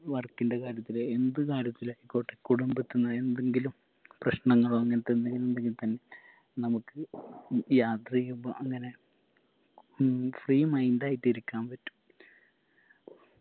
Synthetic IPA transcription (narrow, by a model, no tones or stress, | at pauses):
ʋɐrkːindekaːɾjɐt̪ːileend̪ɨkaːɾjɐt̪ːilaːjikːoːʈːe̞kuɽumbet̪ːunːɐe̞nd̪eŋɡilum | prɐɕnɐŋːɐɭoɐŋːɐnet̪ːɐnd̪eŋɡilume̞nd̪e̞ŋɡilt̪ɐnːe̞ | nɐmukːɨ | jaːt̪rijumbo̰ʔɐŋːɐne | friːmɐjndaːjitːiɾikʲːaːmpɐtːu̥m